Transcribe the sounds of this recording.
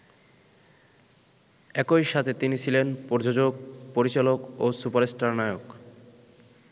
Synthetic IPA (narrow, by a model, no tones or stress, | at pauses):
ɛkojʃat̪ʰet̪init͡ɕʰilenpoɾd͡ʑod͡ʑoɡ̚poɾit͡ɕalokosupaɾesʈaɾnaeok